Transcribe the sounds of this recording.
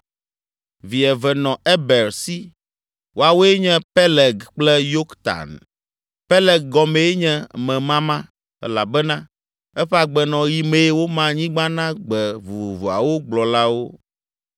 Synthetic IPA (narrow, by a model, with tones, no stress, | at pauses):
vi˨ɛ˨vɛ˨nɔ̃˨ɛ˦bɛ˨ɾsi˦ | wʔo˦a˨wo˦e˦ɲɛ̃˦pɛ˦lɛ˨ɡk͡plɛ˦jo˦kt̪a̰˨n | pɛ˦lɛ˨ɡ̚ɡɔ˨mẽ˨e˦ɲɛ̃˦mɛ̃˨mã˦mã˦ | ɛ̰˦la˨bɛ˦nã˦ | ɛ˦ɸɛ˦a˨ɡ͡bɛ˨nɔ̃˨ji˨mẽ˨˦wo˦mã˦ɲĩ˦ɡ͡bã˦nã˦ɡ͡bɛ˨vu˨vu˨vu˨a̰˨wo˦ɡ͡blɔ˨la˦wo˦